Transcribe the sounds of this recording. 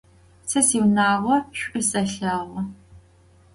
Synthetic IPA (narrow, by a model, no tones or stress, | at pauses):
sʰɐsiwnaːʁʷɔɕʷʼɪsʼɐɬaːʁʷɔ